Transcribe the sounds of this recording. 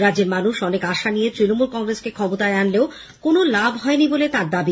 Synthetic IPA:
ɾadd͡ʑeɾmanuʃɔnekaʃanijet̪ɾinomulkɔŋɾeskekʰɔmot̪aeanleo | konolabʱɦɔenibolet̪aɾd̪abi

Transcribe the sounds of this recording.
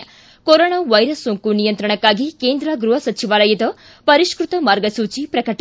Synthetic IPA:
koɾoɳ̃aʋɐjɾəsũŋkunijənt̪ɾəɽ̃ɐkaɡʱikeːnd̪ɾaɡɾuɦɐsɐt͡ʃiʋalɐjit̪ə | pɐɾiʃkɾut̪ɐmaɾɡəsut͡ʃipɾɐkəʈ

